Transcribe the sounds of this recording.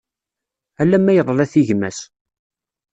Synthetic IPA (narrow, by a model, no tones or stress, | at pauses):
ælːæmːæjəðˤəlæθiʝmæs